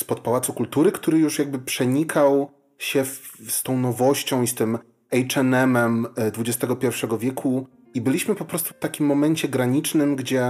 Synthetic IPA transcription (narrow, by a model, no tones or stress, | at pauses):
spɔt̪̚pawat̪sukult̪uɾɘkt̪uɾɘjuʂjaɡ̚bɘpʂɛɲikʰaw | ɕɛfst̪ɔ̃w̃nɔvɔɕt͡ɕɔ̃w̃ist̪ɘm | ɛjt͡ʂɛnɛmɛmd̪vud͡ʑɛst̪ɛɡɔpʲjɛɾfʂɛɡɔvʲjɛkʰu | ibɘlʲiɕmɘpɔpɾɔst̪u̥ft̪akʲimːɔmɛɲt͡ɕɛɡɾaɲit͡ʂnɘmɡd͡ʑɛ